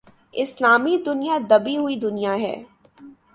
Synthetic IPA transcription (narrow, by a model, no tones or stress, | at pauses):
ɪslaːmid̪ʊnijad̪ɐbiɦʊid̪ʊnijaɦɛ̰ː